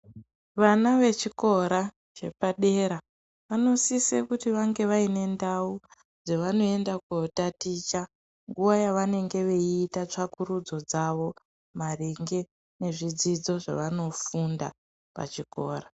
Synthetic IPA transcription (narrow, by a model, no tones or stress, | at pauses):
ʋanaʋe̞t͡ʃiko̞ɾa | t͡ʃe̞̰paɗe̞ɾa | ʋano̞sisekutiʋaŋɡe̞ʋaine̞ndau | d͡zeʋano̞e̞ndakeotatit͡ʃa | ŋɡuʋajaʋane̞ŋɡe̞ʋe̞iːtat͡ʂakuɾud͡zo̞d͡zaʋo̞ | mariŋɡe̞ | ne̞ʐid͡zid͡zo̞ʐa̰ʋano̞funda̰ | pa̰t͡ʃiko̞ːɾa